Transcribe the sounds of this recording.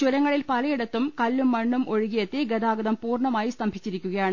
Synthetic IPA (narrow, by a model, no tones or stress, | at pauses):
t͡ɕuɾɐŋːɐɭilpɐlɐjiɽɐt̪ːumkɐlːumːɐɳːumʔoɻuɣijɐt̪ːeɡɐd̪aːɡɐðɐmpuːrɳɐmaːjist̪ɐmbʱit͡ɕːiɾikʲːuɣɐjaːɳɨ